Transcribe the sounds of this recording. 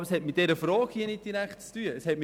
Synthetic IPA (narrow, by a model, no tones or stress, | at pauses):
bəshɛtmɪt̚d̥ɛɾəfɾɔːhiːənɪt̚d̥iɾæktt͡styːəəshɛtmɪ